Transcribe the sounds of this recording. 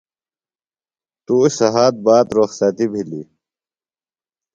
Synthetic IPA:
t̪usɐɦaːt̪̚baːt̪ɾoːxsaːt̪ibʱilḭ

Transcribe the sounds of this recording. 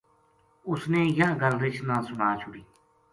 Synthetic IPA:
ʊsneːjãːɡəlɾɪt͡ʃʰnãːsʊnaːt͡ʃʰʊɽiː

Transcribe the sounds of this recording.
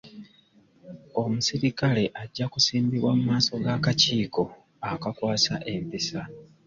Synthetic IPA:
o̞musiɾikale̞ʔaɟːakusiːmbiβwamumaːso̞ɡaːkaciːko̞ | akakwaːsaʔe̞mpisa

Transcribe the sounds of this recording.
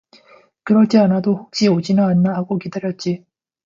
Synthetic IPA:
kɯɾʌɭt͡ɕ͈ianadoɸuk̚t͡ɕ͈iod͡ʑinaːnːaɦaɡokidaɾjʌt̚t͡ɕ͈i

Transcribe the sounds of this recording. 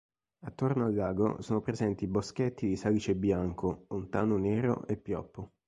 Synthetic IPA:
at̪ːornoalːaːɡo̰soːnopɾezɛnt̪ibosket̪ːid̪isalit͡ʃebjaŋkolont̪aːnoneːɾo̰ʔepːjɔpːo

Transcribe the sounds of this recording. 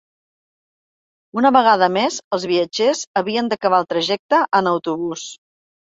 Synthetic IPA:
unəβəɣ̞aðəmezəlˠzβiəd͡ʒezəβiənd̪əkəβalˠt̪ɾəʒɛk̚t̪əʔənəwt̪uβus

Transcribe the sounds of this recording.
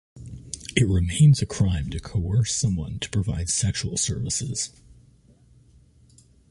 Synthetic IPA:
ɨt̚ɹɨmẽɪ̃nzɨkʰɹ̥ãɪ̃mtʰɨkʰoʊɜ˞sʌ̃mwʌ̰̃ntʰə̥pʰɹ̥ɨvaɪd̥sɛkʃul̩ˠsɜ̰˞vəsɪz̥

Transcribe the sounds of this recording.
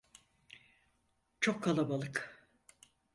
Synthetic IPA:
t͡ʃʰokʰːalˠabalˠɯk

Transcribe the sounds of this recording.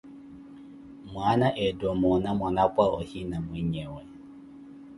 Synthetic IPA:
mwanaʔɛdɔmɔnamwɔnakwaɔhinamwiɲɛwɛ

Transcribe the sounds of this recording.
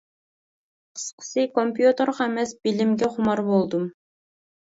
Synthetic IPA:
qʰə̥sqʰə̥sɨkompjut̪əɾʁɛmɛsbilɪmɡʲɛχʊmɑɾbolˠd̪um

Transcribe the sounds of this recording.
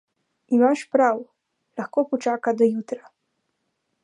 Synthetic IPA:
imaʃpɾaw | laxkoːpɔt͡ʃaːkad̪ɔjut̪ɾa

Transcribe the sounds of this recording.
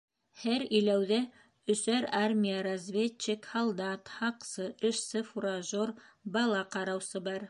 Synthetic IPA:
hæɾĭjlæwðæ | ɵ̆sæɾarmʲijəɾɐzvʲet͡ɕːɘkhɑlˠd̪ɑt̪hɑqsɤʔɘ̆ʃsɘfuɾaʒoɾbɑlˠɑqɑɾɑwsɤbɑɾ

